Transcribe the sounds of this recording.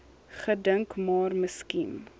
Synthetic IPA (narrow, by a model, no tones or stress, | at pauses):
χədəŋkmɑːrməskin